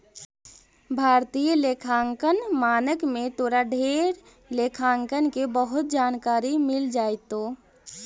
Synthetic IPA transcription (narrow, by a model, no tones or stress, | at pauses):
bʱaːɾt̪ijəlekʰaːŋkənmaːnəkmẽt̪oːɾaɖʱeɾ | lekʰaŋkənkebəɦʊt̪̚d͡ʒaːnkaːɾimɪld͡ʒaːjt̪o